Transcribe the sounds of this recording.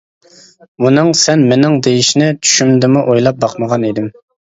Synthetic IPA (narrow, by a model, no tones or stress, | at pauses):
bunɨŋsɛnmenɪŋd̪ejiʃnɪt͡ʃʰy̥ʃymd̪ɪmuʔojlˠɑp̚bɑqməʁɑned̪ɪm